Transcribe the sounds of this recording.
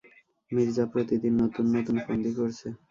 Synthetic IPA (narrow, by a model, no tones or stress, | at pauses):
miɾd͡ʑapɾot̪id̪iɾnot̪unːot̪unfond̪ikoɾt͡ɕʰe